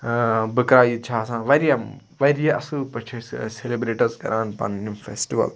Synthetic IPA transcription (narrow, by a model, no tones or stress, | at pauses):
bɨkɾaːjit͡ʃʰaːsãːʋɐɾijɐm | ʋɐɾijɐʔɐsɨpɐt͡ʃʰiselebɾeːʈɐɾzkɐ̰ɾaːnpɐ̰nnimfʰesʈiʋɐ̰l